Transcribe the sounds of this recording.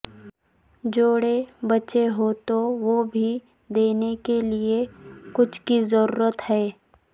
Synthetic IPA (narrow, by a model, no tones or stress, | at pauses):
d͡ʒoːɽebɐt͡ʃeɦoːt̪oʋobʱi | d̪eːnekeliekʊt͡ʃʰkizəɾṵːɾət̪ɦɛː